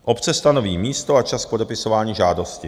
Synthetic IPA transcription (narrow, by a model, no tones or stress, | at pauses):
ʔo̞pt͡sɛst̪ano̞viːmiːst̪o̞at͡ʃask̚podɛpɪso̞vaːɲiːʒaːdo̞scɪ